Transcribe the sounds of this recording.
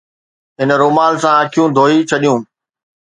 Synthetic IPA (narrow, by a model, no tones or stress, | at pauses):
ɦɪnɾoːmaːlsãəkʰijũd̪ʱoːit͡ɕʰɐɗijũː